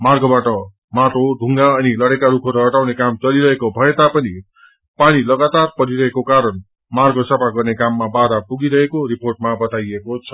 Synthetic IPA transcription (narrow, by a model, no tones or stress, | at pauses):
marɡobaʈʌ | maʈʰoɖʱuŋɡaʌnilʌɽekaɾukʰoɾʌɦʌʈawnekamt͡sʌliɾʌɦekobʱʌet̪apʌni | paɽ̃ilʌɡat̪arpʌɾiɾʌɦekokaɾʌn | marɡosʌpaɡʌrnekamːabad̪apuɡiɾʌɦekoɾiporʈ̚mabʌt̪ajekot͡sʰʌ̥